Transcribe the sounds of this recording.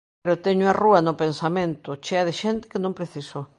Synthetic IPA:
ɾot̪eɲʊaruanopensamẽnt̪ʊt͡ʃeaðɪʃent̪ɪ̥kenõmpɾeθiso

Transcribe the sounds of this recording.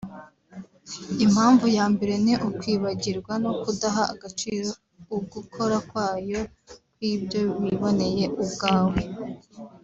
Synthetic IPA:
im̥haːɱvujaːmbe̞ɾe̞niʔukwiːβaɟiɾɡwano̞kudaɦaːɡat͡ʃiːɾo | uɡukʰo̞ɾakwaːjo̞ | kwiːbjo̞βiβo̞ne̞je̞ʔubɡaːwe

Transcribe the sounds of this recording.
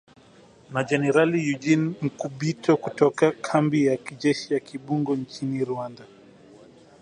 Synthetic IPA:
nad͡ʒɛnɛɾalijud͡ʒinm̩kuɓitʰɔkutɔkakʰambijakid͡ʒɛʃijakiɓuŋɡɔnt͡ʃiniɾuanda

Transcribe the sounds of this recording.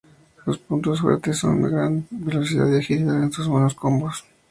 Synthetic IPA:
lospunt̪osfwḛɾt̪esːo̞̰nd̪eɣɾanbe̞lo̞siða̰ðjaxisialensuzβonoskombos

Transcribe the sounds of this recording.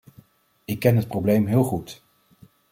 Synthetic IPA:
ɪkːɛnɦət̚prowblejmɦɪːlˠχut

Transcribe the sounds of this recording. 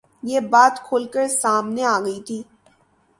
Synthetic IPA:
jebaːt̪kʰoːlkəɾsaːmneaːɡəit̪ʰiː

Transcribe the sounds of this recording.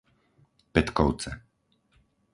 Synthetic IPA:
pɛt̪kɔʊt͡sɛ

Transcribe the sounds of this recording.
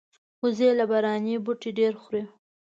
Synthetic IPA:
xʊzelabaɾɑnebʊʈeɖeɾxɾe

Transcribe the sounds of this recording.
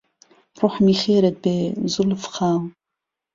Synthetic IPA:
rʊħmiχʲeːɾad̚bejzulɨfχaw

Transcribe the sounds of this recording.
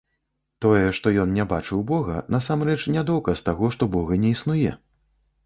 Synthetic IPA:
t̪ɔjɛʂt̪ɔjɔnnʲɛbat͡ʂɨwbɔɣɐ̰nas̬amrɛt͡ʂnʲad̪ɔwkɐst̪aɣɔʂt̪ɔbɔɣɐnʲɛisnujɛ̰

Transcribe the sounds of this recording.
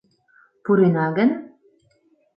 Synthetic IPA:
puɾinɑɡɘ̆n

